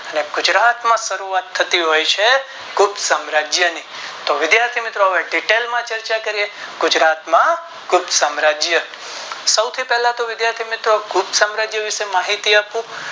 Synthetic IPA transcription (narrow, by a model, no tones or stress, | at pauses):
əneɡʊd͡ʒɾat̪mãʃəɾuat̪ʰːət̪iɦojt͡ʃʰe | kʰubsamɾad͡ʒjəni | t̪oʋɪd̪jaɾt̪ʰimɪt̪ɾoɦəʋeɖiʈelmãt͡ʃəɾt͡ʃakəɾijeɡ̥ʊd͡ʒɾat̪mã | kubsamɾad͡ʒjə | səwt̪ʰipɛɦlãt̪oʋɪd̪jaɾt̪ʰimɪt̪ɾokʰubsamɾad͡ʒjəʋɪʃemaɦit̪iapũ